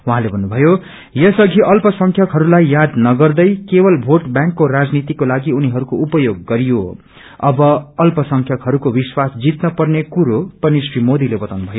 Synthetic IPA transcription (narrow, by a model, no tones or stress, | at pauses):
wuɦãlebʱʌnːubʱʌjo | jʌsʌɡʱiʔʌlpʌsʌŋkʰjʌkɦʌɾulajjad̪nʌɡʌrd̪ʌjkebʌlbʱoʈbjãŋkːorad͡znit̪ikolaɡiuniɦʌɾukoupʌjoɡːʌɾijo | ʌbʌʌlpʌsʌŋkʰjʌkɦʌɾukobiswasd͡zit̪nʌpʌrnekuɾopʌniswimod̪ilebʌt̪awnubʱʌjo